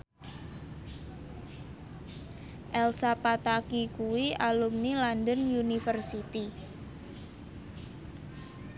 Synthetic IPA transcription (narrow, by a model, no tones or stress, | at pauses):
ʔɛlsapat̪akikuwialumnilandənjunifərsit̪i